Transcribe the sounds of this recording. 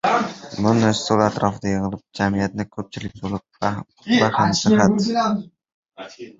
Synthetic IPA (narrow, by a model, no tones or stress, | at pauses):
mʊnaʃsolˠat̪ɾɒfd̪ajɨŋɨlˠɪp̚d͡ʒamijat̪̚nɪkʲʰɵp̚t͡ʃʰɪlɪk̚ʲbolˠɪp̚ | bahamsɪhat